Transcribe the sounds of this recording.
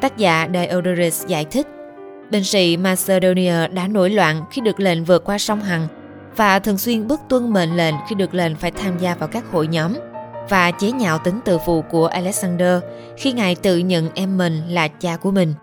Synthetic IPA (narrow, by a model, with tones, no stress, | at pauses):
t̪aː˦˥k̚za̰ː˧˥ɗaː˨˩jʔo˧wɗə˧ɾi˦˥sza̰ː˧˩jt̪ʰï˦˥k̚ | ɓe˧nsḭ˧˥maː˧se˧ɗo˧ni˧aː˧ɗa̰ː˧˥no˧˩jlwa̰ː˧˨nxi˧ɗɨ˨˩ək̚lḛ˧˨nvɨ˨˩ət̚kwaː˧sa˧wŋ͡mɦa˨˩ŋ | vaː˨˩t̪ʰɨ̰˨˧˩əŋswi˧ənɓɨ˦˥ək̚t̪wə˧nɓḛ˧˨nlḛ˧˨nxi˧ɗɨ˨˩ək̚lḛ˨˧˨nfaː˧˩jt̪ʰaː˧mzaː˧vaː˨˩wkaː˦˥k̚ho̰˧˨jɲɔ˨˦mvaː˨˩t͡ɕe˨˦ɲa̰ː˧˨wt̪ï˨˦ŋt̪ɨ̰˧˨fṵ˧˨ku˧˩əʔa˧lɛ˦˥k̚zaː˧nɗəː˧ | xi˧ŋaː˨˩jt̪ɨ̰˧˨ɲə̰˧˨nʔɛ˧mːi˨˩ŋ̟laː˨˩t͡ɕaː˧ku˧˩əmï˨˩ŋ̟